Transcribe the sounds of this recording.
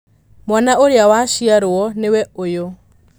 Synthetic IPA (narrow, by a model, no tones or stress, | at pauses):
mwanaʔoɾeawaʃiaɾoɔnewɛojo